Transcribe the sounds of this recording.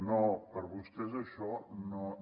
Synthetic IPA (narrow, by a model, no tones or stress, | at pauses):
nopəɾβust̪ɛzɐʃɔno